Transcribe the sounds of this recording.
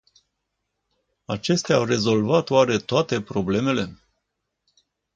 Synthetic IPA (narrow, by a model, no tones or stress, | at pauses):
at͡ʃe̞st̪eaawre̞zo̞lvat̪oaɾe̞t̪oat̪e̞pɾo̞ble̞me̞le